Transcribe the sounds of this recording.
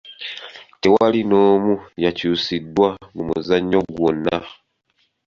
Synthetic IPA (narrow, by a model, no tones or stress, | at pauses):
tewalinoːmujacuːsidwamumuzaɲoɡwona